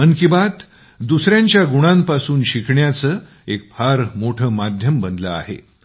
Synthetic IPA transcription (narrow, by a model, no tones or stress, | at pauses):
mənkibat̪ | d̪usɾjãɲt͡ɕjaɡuɽ̃ampasuːnɕikʰɳjat͡səː | ek̚fʰaɾmoʈʰəːmad̪ʱjəmbənd̪ləa̰ɦḛ